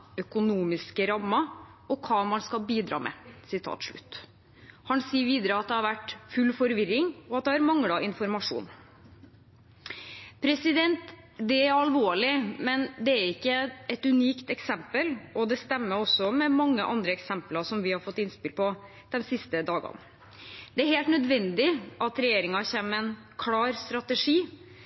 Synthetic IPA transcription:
œkʊnuːmɪskəɾɑmːɑ | ɔkʰɑːmɑnskɑlbiːd̪ɾɑ̰ːmʔɛ̰sɪt̪ʰɑ̰ːt̪ʂɭʉ̰t̪ː | hɑnsiːəɾʋiːd̪əɾəɑt̪̚d̪ɛhɑɾʋæʈfʉlfɔɾʋɪɾːɪŋɔɑt̪̚d̪ɛhɑɾmɑŋɽɑʔɪnfɔɾmɑʂṵːn | pʰɾɛsɪd̪ɛnt̪ | d̪ɛæɾɑlʋoːɭɪmɛnd̪ɛæɾɪkːəɛt̪ʉniːkt̪ɛksɛmpəlɔd̪ɛst̪ɛmːəɾɔsːɔmɛmɑŋːəʔɑnd̪ɾəɛksɛmplɑʂɔmʋɪhɑɾfɔt̪ːɪnspɪlpʰɔ | d̪̥ɛnsɪst̪əd̪ɑːɡɑ̰n | d̪ɛæɾheːlt̪nœd̪ʋɛnd̪ɪʔɑt̪ɾɛjeːɾɪŋɑçeːməɛn | kʰlɑːɾst̪ɾɑt̪əʂiː

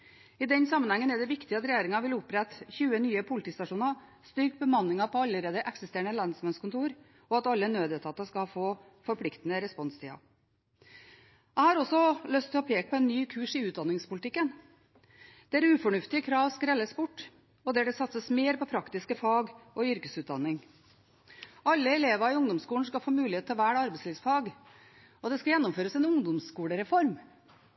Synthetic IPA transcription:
ɪd̪ɛnsɑmːənhɛŋːənɛɖɛʋɪkt̪ɪɑt̪ɾɛjeːɾɪŋɑʋɪlʊpːɾɛt̪çʉːənyːəpʰʊlɪt̪iːst̪ɑʂuːnɑst̪ʏɾkbəmɑnːɪŋɑpɔɑlːəɾeːd̪əʔɛksɪst̪eːɾəɳəlɑnsmɛnskʊnt̪ʰuːɾ | ɔɑt̪ɑlːənøːd̪eːt̪ʰɑːt̪ːəskɑfoː | fɔɾpʰlɪkt̪ənəɾɛspɔnst̪ʰḭːɑ̰ | æɪhɑɾɔsːɔlœst̪ɛhɑpʰeːk̚pʰɔɛnːyːkʰʉːʂɪʉːt̪d̪ɑnɪŋspʊlɪt̪ʰɪkːən | d̪̥ɛæɾʉːfɔɳʉft̪ɪəkʰɾɑːʋskɾɛlːəsbʊʈː | ɔd̪ɛɖɛsɑt̪səsmeːɾpɔpʰɾɑkt̪ɪskəfɑːɡɔʏɾkəsʉːt̪d̪ɑnːɪŋ | ɑlːəɛleːʋɑɪʊŋd̪ɔmskuːlɳ̩skɑlfoːmʉːlɪeːt̪ʰːɑʋæːʈɑɾbɛɪsliːʋsfɑːɡ | ɔd̪ɛskɑljɛnːʊmføːɾəsɛnʊŋd̪ʊmskuːləɾɛfɔɾm

